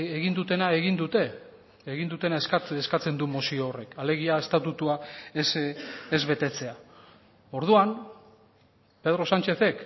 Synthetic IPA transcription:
eɣind̪ut̪e̞nae̞ɣind̪ut̪e̞ː | ɣind̪ut̪e̞naeskaeskat͡se̞nd̪umosioːre̞kale̞ɣ̞iae̞st̪at̪ut̪uaesezβe̞t̪e̞t͡se̞a | o̞ɾð̞uan | pe̞ð̞ɾo̞sant͡ʃe̞θe̞k

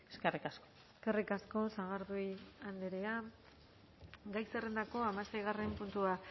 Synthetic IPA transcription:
eskerikasko̥ | eskerikasko̞saɣ̞aɾðujand̪eɾea | ɡajsere̞nd̪ako̞amasajɣare̞mpunt̪ua

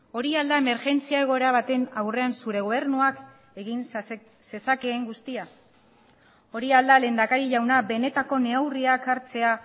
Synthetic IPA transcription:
o̞ɾiald̪aeme̞ɾʝe̞nt͡siae̞ɣ̞o̞e̞ɾaβ̞at̪e̞nawre̞ansuɾe̞ɣ̞o̞β̞e̞ɾnuak | eɣin | se̞sakeːŋɡust̪ia | o̞ɾiald̪ale̞ːnd̪akaɾiʝawnaβe̞ne̞t̪ako̞ne̞awriakaɾt͡se̞a

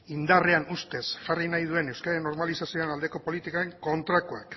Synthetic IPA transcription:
ind̪are̞anust̪e̞sʝarinajð̞ue̞newskaɾaenːo̞ɾmalisasioenald̪e̞ko̞po̞lit̪ikae̞ŋko̞nt̪ɾakuak

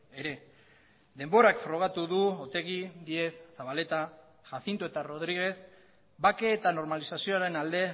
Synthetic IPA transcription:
e̞ɾe̞ | ðe̞mbo̞ɾakfɾo̞ɣ̞at̪uðuot̪e̞ɣ̞iðie̞θːaβale̞t̪a | ʝasint̪ue̞t̪aro̞ð̞ɾiɣ̞e̞θ | bake̞ːt̪ano̞ɾmalisasio̞aɾe̞nald̪e̞

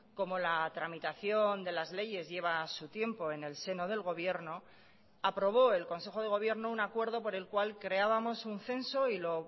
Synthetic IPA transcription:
ko̞mo̞lat̪ɾamit̪aθjo̞nd̪e̞lazle̞ʝe̞zʝe̞β̞asut̪je̞mpo̞e̞ne̞lse̞no̞ð̞e̞lɣ̞o̞βje̞ɾno̞ | apɾo̞β̞o̞e̞lko̞ns̬e̞xo̞ð̞e̞ɣ̞o̞βje̞ɾnounakwe̞ɾð̞o̞po̞ɾe̞lkwalkɾe̞aβamo̞sunθe̞nso̞ilo̞

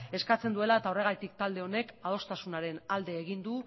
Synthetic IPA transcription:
e̞skat͡se̞nd̪ue̞lae̞t̪ao̞re̞ɣ̞ajt̪ikt̪ald̪e̞o̞ne̞kað̞o̞st̪asunaɾe̞nald̪e̞ːɣ̞ind̪u

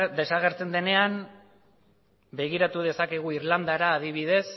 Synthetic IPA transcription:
d̪e̞saɣ̞e̞ɾt͡se̞nd̪e̞ne̞an | be̞ɣ̞iɾat̪uð̞e̞sakeɣ̞uiɾland̪aɾaːðiβ̞iðe̞s

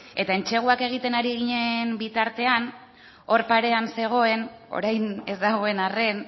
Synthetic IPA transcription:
e̞t̪ae̞nt͡ʃe̞ɣ̞uake̞ɣ̞it̪e̞naɾiɣ̞iɲe̞mbit̪aɾt̪e̞an | o̞ɾpaɾe̞anse̞ɣ̞o̞e̞no̞̰ɾajnezd̪aɣ̞o̞e̞nare̞n

